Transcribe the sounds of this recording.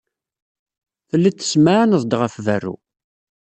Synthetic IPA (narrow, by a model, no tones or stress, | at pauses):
θəlːit͡sːə̥smanəzˤd̪ʁəfvərːṵ